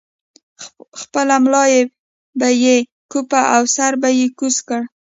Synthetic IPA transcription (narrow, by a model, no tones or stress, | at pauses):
xpəlamlɑje | baje | kupaʔawsaɾbajekuskəɽ